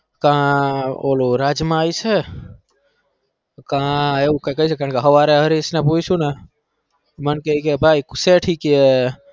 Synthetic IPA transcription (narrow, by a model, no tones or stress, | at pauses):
kão̰loɾad͡ʒmãait͡ʃʰe | kãːeukakəɦit͡ʃʰekãɳkeɦəʋaɾeɦəɾisneput͡ʃt͡ʃũna | mənkeikebʱaikseʈʰikie